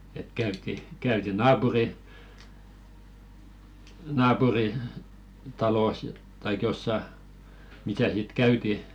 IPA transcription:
et kæytːi kæyti nɑːpuri nɑːpuri tɑloˑs tɑik josːɑ misæ sit kæyti

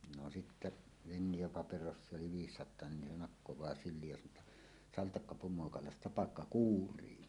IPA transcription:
no sitːæ ʋenːij̆ɑ pɑperosːie oli ʋiːsːɑtˑoɑ nin ne nɑkːowɑː sylˑiːj jɑ sɑnˑoː tːɑ sɑltɑkːɑ pumoɑkɑlɑstɑpɑkːɑ kuːrˑiː

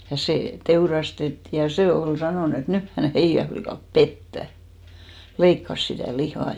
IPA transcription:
jɑ seˑ teurɑstetːiˑ jɑ se ol sɑnoˑn et nyh hæn̞ heijæ flikɑˑp petːæ leikːɑs sitæˑ lihɑˑ

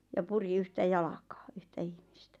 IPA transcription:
jɑ puri yhtæ jɑlɑkɑː yhtæ ihmistæ

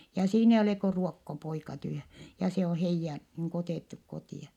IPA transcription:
jɑ siːn eij oleˑ ko ruokːopoikɑ tyhæ jɑ se o heijːæ niːŋ ku oteˑtːuk kotiˑɑ

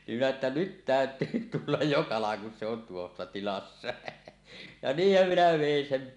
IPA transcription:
nim minæ etːæ nyt tæøtˑyː tulːɑj jo kɑlɑŋ kun se on tuosːɑ tilɑsːɑ jɑ niːhːæm minæ ʋeˑin sem

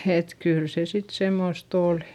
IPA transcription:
et kyːl se sit semːost oˑli

